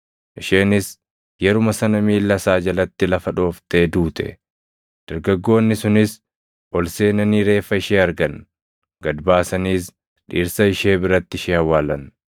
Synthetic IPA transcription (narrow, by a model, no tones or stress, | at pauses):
ʔɪʃe̞ːnɪs | jɛɾʊmɐsɐnɐmiːlːɐsaːd͡ʒɐlɐt̪ːɪlɐfɐᶑo̞ːft̪eːd̪uːt̪ɛ̰ | d̪̥ɐɾɡɐɡːo̞ːnːɪsʊnɪs | ʔɔlseːnɐniːɾe̞ːfːɐɪʃeːɐɾɡɐn | ɡɐd̪baːsɐniːs | ᶑiːɾsɐɪʃeːbɪɾɐt̪ːɪʃeːhɐwːaːlɐn